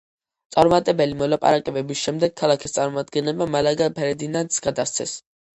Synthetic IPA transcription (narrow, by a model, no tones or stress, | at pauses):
t̪sʼaɾmat̪ʼɛbɛlimɔlˠapʼa̰ɾakʼɛbɛbisʃɛmd̪ɛɡ̚kʰːalˠakʰist̪sʼaɾmɔmad̪ɡɛnlɛbmamalaɡapʰɛɾɛd̪inant̪sɡad̪ast̪sʰɛs